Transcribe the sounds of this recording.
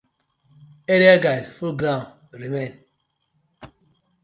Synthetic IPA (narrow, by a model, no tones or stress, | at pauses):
eɾiaɡazfulɡɾãn | ɾimẽn